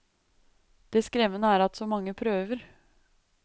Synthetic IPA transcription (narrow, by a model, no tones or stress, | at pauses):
d̪̥ɛːskɾɛʋənəæːɾɑt̪sɔmɑŋːəpʰɾøːʋəɾ